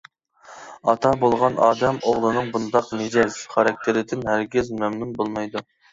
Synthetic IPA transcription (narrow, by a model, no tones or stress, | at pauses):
ɑt̪ʰɑbolˠʁɑnɑːd̪ɛmoʁlˠɨnɨŋbund̪ɑqmed͡ʒɛzχɑɾɑk̚ʲt̪ʰɪɾɪd̪ɪnhæɾɡʲɪzmɛmnunbolˠmɑjd̪u